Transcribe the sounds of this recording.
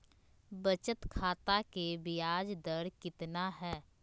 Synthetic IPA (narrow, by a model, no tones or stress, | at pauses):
bət͡ʃət̪kʰaːt̪akebɪjaːd͡ʒd̪əɾkɪt̪naɦɛː